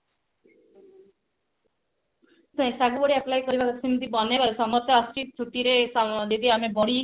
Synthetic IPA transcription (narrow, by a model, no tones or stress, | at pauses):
sãẽsaɡubɔɽiaplajkɔɾibakɔsimit̪ibɔnebaɾesɔmɔt̪aːsʈit̪̚t͡ʃʰuʈiɾesɔd̪ed̪iamebɔɽi